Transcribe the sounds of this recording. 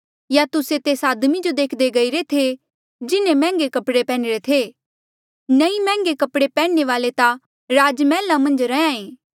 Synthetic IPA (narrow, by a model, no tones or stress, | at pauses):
jat̪ʊset̪eːsaːd̪mid͡ʒod̪eːkʰd̪eɡɐiɾet̪ʰe | d͡ʒɪnẽmɛ̃ːŋɡekɐpɽepɛːɽ̃ɾet̪ʰe | nɐimɛ̃ːŋɡekɐpɽepɛ̃ːeʋaːlet̪ã | ɾaːd͡ʒmɛ̃ːlːãmɐ̃nd͡ʒɾɐãːẽː